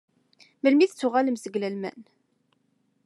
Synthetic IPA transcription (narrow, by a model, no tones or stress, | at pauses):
məlmiθt͡sːʊʁaləmsəɡlælmæ̰n